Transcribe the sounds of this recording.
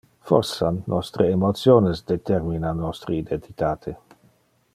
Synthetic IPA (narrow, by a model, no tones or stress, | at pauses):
fɔɾsanːɔst̪ɾeemot̪sjoːnesd̪et̪eɾminanːɔst̪ɾeid̪ent̪it̪aːt̪ʰe